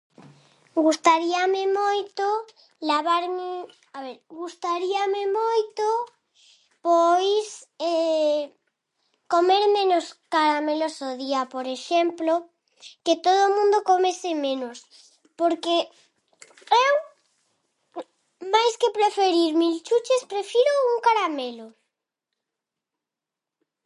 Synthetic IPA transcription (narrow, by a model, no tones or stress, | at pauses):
ɡust̪aɾiamemojt̪o | laβaɾme | aβeɾɣust̪aɾiamemojt̪o | pojse | komeɾmẽnoskaɾamelosoðiapoɾeʃemplo | ket̪oðomũnd̪okomesɪmẽnos | poɾke | ew | majskepɾefeɾiɾmilt͡ʃut͡ʃespɾefiɾouŋkaɾamelo